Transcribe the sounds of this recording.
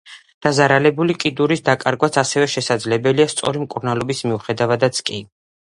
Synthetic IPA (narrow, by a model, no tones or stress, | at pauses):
d̪̥azaɾalɛbulikʼid̪uɾisd̪akʼaɾɡwat̪sʰasɛvɛʃɛsad̪zlɛbɛliast̪sʼɔ̰ɾimkʼuɾnalˠɔbismiuχɛd̪avad̪at̪sʰkʼi